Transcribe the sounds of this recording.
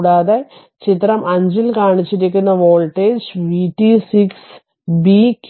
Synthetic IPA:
ɽaːðe | t͡ɕit̪rɐmʔɐɲd͡ʑilkaːɳit͡ɕːiɾikʲːunːɐʋoːɭʈːeːd͡ʑʋiːʈːisiks | bik

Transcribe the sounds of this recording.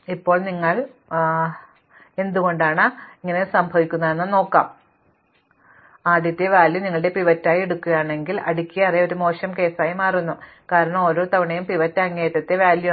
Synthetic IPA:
ipːo̞ːɭniŋːɐɭ | e̞nd̪uɣo̞ɳɖaːɳɨiŋːɐne̞sɐmbʱɐʋikʲːunːɐðenːɨno̞ːkːaːm | aːd̪jɐt̪ːeʋaːljɐniŋːɐɭɨɽe̞piʋɐtːaːjeɽukːuɣɐjaːɳe̞ŋɡilɐɽikʲːijɐɐrejo̞ɾumo̞ːʂɐmke̞ːsaːjimaːrunːu | kaːɾɐɳɐmo̞ːɾo̞ːt̪ɐʋiɳɐjumpiʋɐtːɐŋːeːt̪ːɐt̪ːeʋaːljɐ

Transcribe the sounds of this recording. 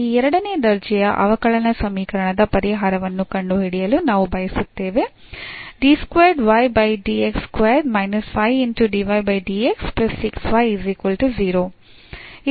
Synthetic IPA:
iːɛɾɐɽɐned̪ɐɾd͡ʒɛjɐʔɐ̰ʋɐkɐɭɐnɐsɐmiːkɐɾɐɳɐd̪ɐpɐɾiɦaːɾɐʋɐnːukɐɳɖuɦiɽijɐlunaːʋubʱɐjɐsut̪ːeːʋe | ɖiskʋeːɾɖʋɐjbɐjɖiekskʋeːɾɖmɐjnɐspʰɐjinʈuɖiʋɐjbɐjɖiːeksplɐsːiksʋɐjiziːkʋɐlʈud͡ʒiːɾoː | i

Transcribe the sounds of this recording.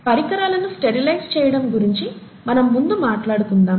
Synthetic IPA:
pɐɾikɐɾaːlɐnusʈeɾilɐjst͡ʃɛːjɐɽɐmɡuɾiɲt͡ʃi | mɐnɐmːund̪umaːʈlaːɽut̪und̪aːm

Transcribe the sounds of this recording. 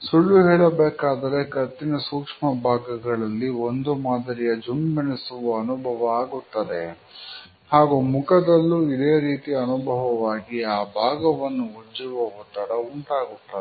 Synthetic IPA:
suɭːuɦɛːɭɐbeːkaːd̪ɐɾekɐt̪ːinɐsuːkʂmɐbʱaːɡɐɡɐɭɐlːio̞nd̪umaːd̪ɐɾijɐd͡ʒummɐɳisuʋɐːnubʱɐʋɐaːɡut̪ːɐd̪ḛ | haːɡuːmukɐd̪ɐlːuid̪eːɾiːt̪iɐnubʱɐʋɐʋaːɡiaːbʱaːɡɐʋɐnːuɦud͡ʒuʋɐɦot̪ːɐɽɐuɳʈaːɡut̪ːɐ

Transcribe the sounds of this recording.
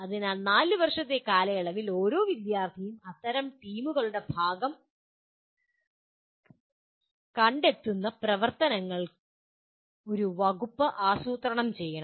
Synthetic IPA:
ɐðinanaːlɨʋɐrʂɐt̪ːe̞kaːlɐjɐɭɐʋilo̞ːɾo̞ːʋid̪jaːrt̪ʰijumɐt̪ːɐɾɐmʈiːmuɣɐɭuɽe̞bʱaːɡɐm | kɐɳɖe̞t̪ːunːɐprɐʋɐrt̪ɐnɐŋːɐɭ | o̞ɾuʋɐɣupːɐʔaːsuːt̪rɐɳɐmt͡ɕe̞jːɐɳɐm

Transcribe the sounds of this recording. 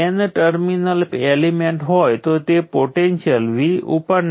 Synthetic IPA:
ɛnʈəɾminəlelimeɳʈɦojt̪ot̪epoʈenʃəlʋiʔupəɾn

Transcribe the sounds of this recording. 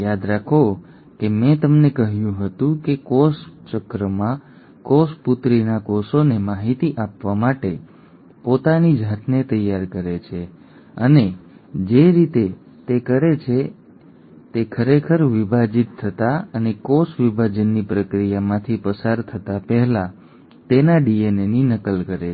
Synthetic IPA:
jad̪ɾakʰo | kemɛ̃t̪əmnekəɦjũɦət̪ũkekost͡ʃəkɾəmã | kosput̪ɾinakɔsonemaɦit̪iʔapʋamaʈe | pot̪anid͡ʒʱat̪ʰnet̪əjːaɾkəɾet͡ʃʰe | əned͡ʒeɾit̪e | t̪ekəɾet͡ʃʰe | t̪ekʰəɾekʰəɾʋibʱad͡ʒit̪ʰːət̪aənekosʋibʱad͡ʒənːipɾəkɾijamãt̪ʰipəsaɾt̪ʰət̪apɛɦla | t̪enaɖieneninəkəlkəɾe

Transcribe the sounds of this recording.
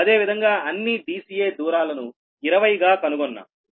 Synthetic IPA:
ɐd̪e̞ːʋid̪ʱɐŋɡaːɐnːiɖiːsiːjeːd̪uːɾaːlɐnu | iɾɐʋɐjɡaːkɐnuɡɔnːɐ̰

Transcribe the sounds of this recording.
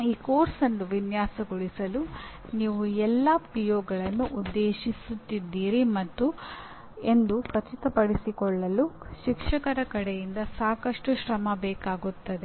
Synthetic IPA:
iːkoːɾsɐnːuʋinjaːsɐɡoɭisɐlu | niːʋuɛlːɐpɾijoːɡɐɭɐnːuʔud̪ːeːʃisut̪ːid̪ːiːɾimɐt̪ːu | e̞nd̪ukɐt͡ʃit̪ɐpɐɽisikɔɭːɐluʃikʂɐkɐɾɐkɐɽejind̪ɐsaːkɐʂʈuʃɾɐmɐbɛːkaːɡut̪ːɐd̪e

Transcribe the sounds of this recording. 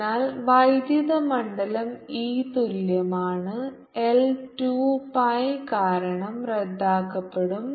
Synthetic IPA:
aːlʋɐjd̪jɐðɐmɐɳɖɐlɐmiːt̪uljɐmaːɳɨ | elʈupɐjkaːɾɐɳɐmred̪ːaːkːɐpːeɽum

